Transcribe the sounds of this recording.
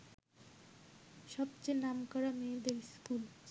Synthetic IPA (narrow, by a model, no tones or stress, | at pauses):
ʃɔbt͡ɕejnamkɔɾameed̪eɾiskul